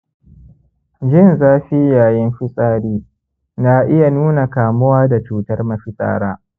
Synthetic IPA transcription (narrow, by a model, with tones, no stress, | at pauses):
d͡ʒɪ˦˨nzaː˦ɸi˦jaː˨jɪ˦mɸɪ˦sʼaː˦ɽiː˦ | na˦ʔɪ˦ja˨nuː˦na˨kaː˨mʊ˦waː˦da˨t͡ʃuː˦tɐ˦rmɐ˨ɸɪ˦sʼa̰ː˦˨ɽaː˦